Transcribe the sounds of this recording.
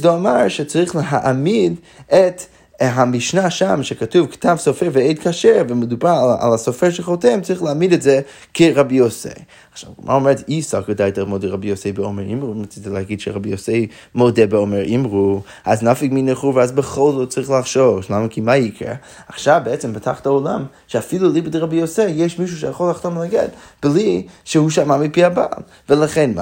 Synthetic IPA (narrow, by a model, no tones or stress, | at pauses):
zdoamaɾʃɛt͡saɾiχləɦaʔamid | ɛt | ɦamiʃnaʃamʃɛkatuvktavsɔfɛvɛeɪdkʰaʃɛɾvɪmədubaɾa̰lˠasɔfɛʃɛχɔtɛmt͡saɾiχlˠaamidɛtzɛ | kɪɾabiosḛ | aχʃa̰vmʔa̰omɛɾtisakodaɪtalmɔdəʁabioseɪbəɔmɛɾimʁumat͡sitlˠaɡidʃɛɾabiosej | modɛbəɔmɛɾʔimʁu | aznafɪkminɛχuvazbəχɔlˠzot͡sʁiχlˠaχʃɔʃlˠaməkʰimaikɛ̰ | aχʃavbɛɛt͡sɛmbətʰaχtaɔlˠam | ʃɛafilˠulˠibədəʁabiosɛjeɪʃmiʃ̬uʃ̬ɛjaχɔlˠaχtɔmlaɡɛ̰db̥lˠiʃəhuʃ̬amamipiaba̰lˠ | vəlˠaχɛn